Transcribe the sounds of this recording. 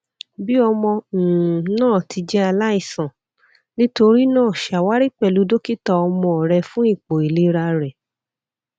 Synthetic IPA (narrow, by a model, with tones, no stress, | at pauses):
bi˦ɔ˧mɔ̃˧˨nãː˦˨tʰi˧d͡ʒɛ˦a˧la˦i˦˨sã˨ | nĩ˦to˧ɾi˦nãː˦˨ʃa˨wa˦ɾi˦k͡pɛ˦˨lu˨˦do˦ki˦tɔ˧ɔ˧mɔ̃˧ɔ˨ɾɛ˧fũ˦i˦˨k͡po˨i˨le˨˦ɾa˧ɾɛ˨